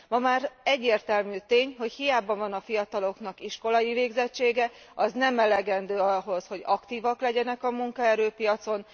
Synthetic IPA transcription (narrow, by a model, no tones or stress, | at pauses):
mɒmaːrɛɟːeːrt̪ɛlmyːt̪eːɲɦo̞chijaːbɒvɒnɒfijɒt̪ɒlo̞knɒkiʃko̞lɒiveːɡzɛt͡ʃːeːɡɛ | ɒznɛmɛlɛɡɛnd̪øːɒɦo̞sho̞ɟɒkt̪iːvɒklɛɟɛnɛkɒmuŋkɒɛɾøːpijɒt̪so̞n